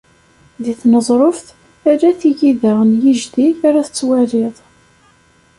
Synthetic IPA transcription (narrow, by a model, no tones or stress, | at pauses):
ðiθnəzˤɾˤofθ | aɾæθijiðaʁənjiʒðiaɾaθə̥t͡sːwælɪðˤ